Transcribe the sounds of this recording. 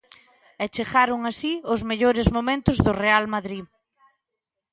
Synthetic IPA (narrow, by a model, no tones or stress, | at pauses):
ɛt͡ʃeɣaɾʊŋasiʊzmeʎoɾɪzmomẽnt̪ʊzðʊrealmaðɾi